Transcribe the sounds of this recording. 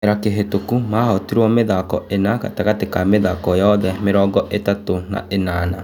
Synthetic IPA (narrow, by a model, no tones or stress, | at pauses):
ɾakeɦetokumaːhɔtiɾwɔmeðakɔ̰ʔenaka̰taɣatekameðakɔjɔðɛmeɾɔːɡɔʔetatona̰ʔenaːna